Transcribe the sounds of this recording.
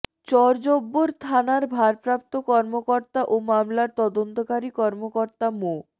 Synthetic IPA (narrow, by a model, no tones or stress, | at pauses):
t͡ɕɔɾd͡ʑobːoɾt̪ʰanaɾbʱaɾpɾap̚t̪okɔɾmokoɾt̪aʔomamlaɾt̪ɔd̪ont̪okaɾikɔɾmokoɾt̪amo